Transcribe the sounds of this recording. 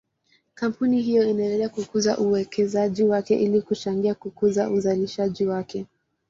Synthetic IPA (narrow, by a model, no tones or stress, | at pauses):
kam̩puniɦijɔinaɛ̃ndɛlɛakukuza̰ʔuwɛkʰɛzaʄiwakɛʔilikut͡ʃaŋɡiakukuzaʔuzaliʃaʄiwakɛ